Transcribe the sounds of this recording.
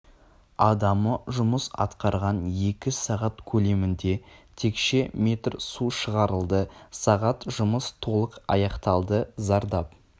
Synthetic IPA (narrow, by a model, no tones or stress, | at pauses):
ɑd̪ɑməʒʊməsɑ̰t̪qɑɾʁɑnje̞kʲɪsɑʁɑt̪kʲʰɵle̞mɪnd̪e̞t̪ʰe̞kʃe̞me̞t̪rsuʃəʁɑɾəlˠd̪əsɑʁɑt̪ʒʊməst̪ʰo̞lˠəqɑ̰jɑqt̪ɑlˠd̪əzɑɾd̪ɑp